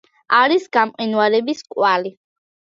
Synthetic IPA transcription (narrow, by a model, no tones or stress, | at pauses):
aɾisɡamqʼinwalɛbiskʼwali